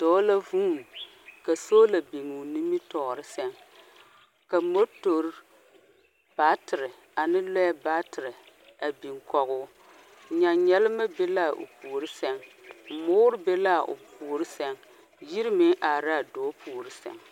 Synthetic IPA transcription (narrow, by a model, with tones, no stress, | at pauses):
d̥o˨˦la˦vu˦˨m | ka˨soː˦la˨bi˨ŋu˨ni˦mi˦tɔ˨ɾɨ˦sɛ˦ŋ | ka˨mo˦to˨ɾ | b̥a˦tɨ˨ɾɨ˨ | a˨nɨ˦lɔ˦ja˦ba˦tɨ˨ɾɨ˨ | a˨bi˨ŋkɔ˨ɣʊː˦˨ | ɲa˨ɲɛ˦lɨ˦ma˦be˦la˦˨ʔo̰˨puː˨ɾɨ˦sɛ˦ŋm̩˨moː˦ɾɨ˦be˦la˦˨ʔʊ̰˨puː˨ɾɨ˦sɛ˦ŋ | ji˦ɾɨ˦mɪ˦ŋʔa˨ɾa˦˨doː˨˦puː˨ɾɨ˦sɛ̰˨ŋ